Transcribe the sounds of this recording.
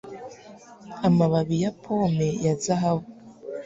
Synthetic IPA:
amaβaβijapʰomejazaɦaβo

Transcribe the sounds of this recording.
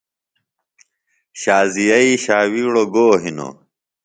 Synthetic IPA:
ɕaːzijɐiɕaːwiːɽoɡoːɦino̰

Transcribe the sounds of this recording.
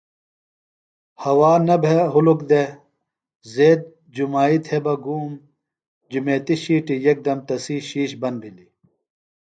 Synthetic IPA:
hɐwaːnɐbʱeɦulukd̪e | zeːd̪̚ | d͡ʑumaːit̪hebɐɡuːm | d͡ʑumeːt̪iɕiːʈijɐk̚d̪ɐmt̪ɐsiːɕiːɕbɐnbʱili

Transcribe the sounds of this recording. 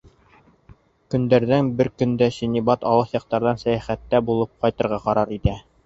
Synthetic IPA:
kɵ̆nd̪æɾðænbɘɾkɵ̆nd̪æɕinibɑt̪ɑ̰lˠɤχjɑq̚t̪ɑɾðɑnsæjæχæt̪ːæbulˠɤp̚qɑjt̪ɤ̆ɾʁɑqɑɾɑɾit̪æ

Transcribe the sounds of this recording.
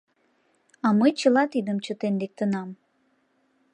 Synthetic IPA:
ɑməjt͡ɕəlɑt̪id̪əmt͡ɕət̪end̪ek̚t̪ənɑm

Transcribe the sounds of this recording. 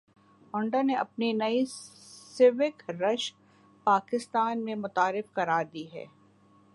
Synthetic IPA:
ʊ̃ɳɖaneʔɐpninɐisɪʋɪkɾɐʃ | paːkɪst̪aːnmẽmʊt̪aːɾɪfkɐɾaːɾd̪iːɦɛ̰ː

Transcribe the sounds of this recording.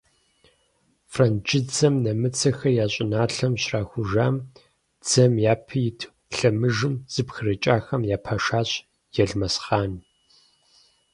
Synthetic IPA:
frɐnd͡ʒʼɪd͡zɐmnɐmɨt͡sʰɐxɐjaːɕʼɪnaːɬɐmɕraːxʷʊʒaːm | d͡z̥ɐmjaːpʰɐjɪtʰ | ɬɐmɨʒɨmz̥ɨpxɨrɐt͡ʃʼaːxɐmjaːpʰɐʃaːɕ | jɛɮmɐsχaːn

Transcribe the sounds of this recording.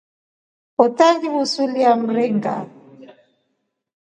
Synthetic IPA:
ɔtaɣiβusuliam̩ɾɛŋɡa̰

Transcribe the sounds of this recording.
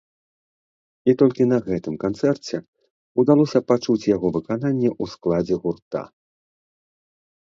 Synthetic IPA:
it̪ɔlʲkʲinɐɣɛt̪ɨmkant̪sɛrt͡sʲɛ | ud̪alˠɔsʲɐpat͡ʂut͡sʲjaɣɔvɨkananʲːɛʔusklˠad͡zʲɛɣurt̪a̰

